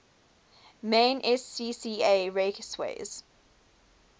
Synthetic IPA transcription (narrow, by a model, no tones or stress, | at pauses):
mẽːnʔɛsːiːsiːeɹekswḛɪz̥